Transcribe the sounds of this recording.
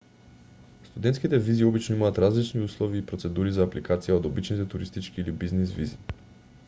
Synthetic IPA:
st̪ud̪ɛnt̪skʲit̪ɛviziɔbit͡ʃnoimaːt̪ɾazlit͡ʃniuslˠoviːpɾot̪sɛd̪uɾizaːplikat̪sijaod̪obit͡ʃnit̪ɛt̪uɾist̪it͡ʃk̟iːlibiznisvḭzi

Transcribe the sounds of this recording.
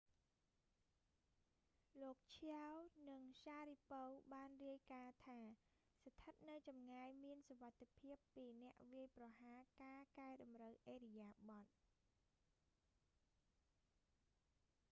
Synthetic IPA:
loːk̚t͡ɕʰawnɨŋɕaːɾiːpowɓaːnriəjkaːt̪ʰaː | sat̪ʰət̪̚nɨwt͡ɕɑmŋaːjmiənsoʋat̪ʰːepʰiəpːiːnɛ̆əʔʋiəjprɑɦaːkaːkaɛɗɑmrəwʔeːɾijaːɓɑt̪̚

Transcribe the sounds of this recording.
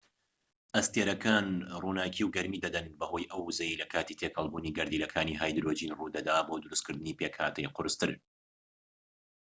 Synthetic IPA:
ʔɐst̪eɾɐkʰaːnruːnaːkʰiːwɡɐɾmiːd̪ɐd̪ɐnbɐhojʔɐwːzɐjilɐkʰaːt̪iːt̪ʰeːkhɐlˠbuːniːɡɐɾd̪iːlɐkʰaːniːɦaːjd̪ɾoːd͡ʒiːnruːd̪ɐd̪aːbod̪ɨɾuskɨɾd̪ɨniːpeːkha̰ːt̪ʰɐjqʊɾɨst̪ɨɾ

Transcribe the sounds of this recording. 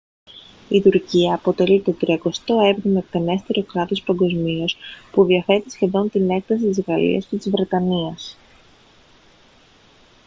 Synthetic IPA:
it̪uɾciɐːpo̞t̪e̞lit̪o̞t̪ɾiɐko̞st̪o̞e̞vɾomekt̪ene̞st̪eɾo̞kɾɐt̪o̞spɐŋɡo̞zmio̞spuðiɐθe̞t̪isçe̞ðo̞nt̪ine̞kθɐsit̪izɣɐlḭɐ̰scet̪izvɾe̞t̪ɐniɐs

